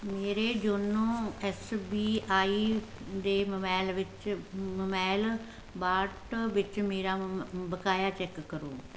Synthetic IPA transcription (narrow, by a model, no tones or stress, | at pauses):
meːɾeːd͡ʒoːnũːɛsbiːʔaːiːd̪eːməmɛːlʋɪt͡ʃməmɛːl | baːʈʋɪt͡ʃmeːɾaːbəkaːjaːt͡ʃɛːkːəɾo̰ː